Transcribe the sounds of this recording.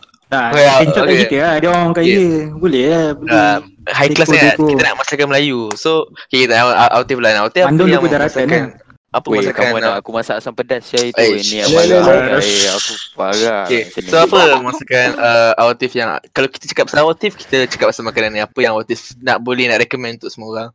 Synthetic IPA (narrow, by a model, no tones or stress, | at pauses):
nawaiɲt͡ʃɔkit̪əadɔŋkajəbulɛabuɛəm | ɦajlasaŋatkiəna̰ʔmasilakanməlajusokkit̪ʔawot̪iflanawat̪iaandɔjãŋudaɾask̪ankan | apəmasakanaakumasasaŋpədasd͡ʒaiinialaəeakubaɡaokesoapəmasakanəawat̪ifjaŋ̰kalawki̥t̪ət͡ʃə̥kap̚sawat̪ifki̥t̪ət͡ʃə̥kap̚samakananĩapəjaŋawat̪ifnaʔbolɛhnaʔɾɛkəmɛ̃nt̪uʔsəmoɡa